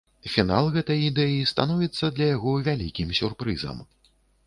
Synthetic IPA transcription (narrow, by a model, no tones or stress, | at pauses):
fʲinalˠɣɛt̪ɐjid̪ɛjist̪a̰nɔvʲit̪sːɐd̪lʲɐjaɣɔvʲalʲḭkʲimsʲurpɾɨzɐ̰m